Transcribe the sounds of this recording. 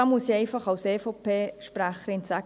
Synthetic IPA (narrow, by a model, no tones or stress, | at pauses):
ɑmusiɛɪfɑχɑʊseːfopʰeːʃpɾæχəɾɪnsæ